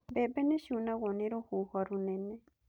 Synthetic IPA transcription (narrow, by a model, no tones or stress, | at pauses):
bebenẽʃunãwonẽɾohuhaɾunẽnẽ